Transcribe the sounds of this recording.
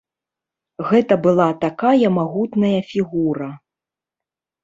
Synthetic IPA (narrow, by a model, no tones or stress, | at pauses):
ɣɛt̪ɐbɨlˠat̪akajɐmaɣut̪nɐjɐfʲiɣuɾɐ